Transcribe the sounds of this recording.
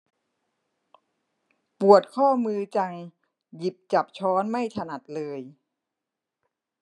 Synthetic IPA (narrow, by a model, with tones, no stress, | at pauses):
pu˨˩ət̪̚kʰɔː˥˩mɯː˧t͡ɕa˧ŋ | ji˨˩p̚t͡ɕa˨˩p̚t͡ɕʰɔː˦˥nma˥˩jt̪ʰa˧na˨˩t̪̚lɤː˧j